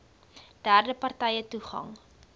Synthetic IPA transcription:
d̥æːrdəpɐrtɛjətuχɐ̰ŋ

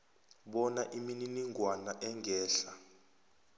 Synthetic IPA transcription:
ɓɔnaʔimininiŋɡʱwanaʔɛŋɡʱɛːɬa

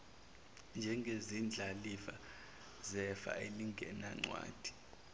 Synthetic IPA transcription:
nd͡ʒʱɛŋɡʱezind͡ɮʱalifa | zɛfa̰eliŋɡʱɛ̰naŋ͡ǀwa̰ːd̥ʱi̥

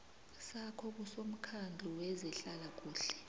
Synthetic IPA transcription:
sakʰɔk̬usom̩kʰandʱuwɛzɛɬalak̬uːɬɛ̥

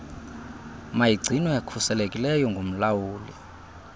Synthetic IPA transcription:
majiɡ͡ǀʱinwɛekʰusɛlekʼilɛjɔŋɡʱom̩lawuːlḭ

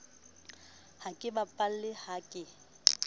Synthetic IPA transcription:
hakʼɪbapʼal̩lɪhakʼɪ

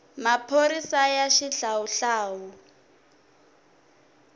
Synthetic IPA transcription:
mapʰoɾisajaʃiɬawuɬaːwu

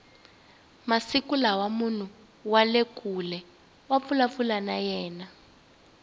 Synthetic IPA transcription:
masikulawamun̤u | walekʼulɛ | wap̪fulap̪fulanajɛːna

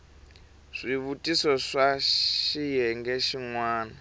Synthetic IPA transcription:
ʂiβutʼisɔʂaʃijɛŋɡɛʃiŋwaːna

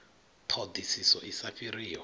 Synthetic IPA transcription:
tʰod̪isisɔʔisafiriːɔ

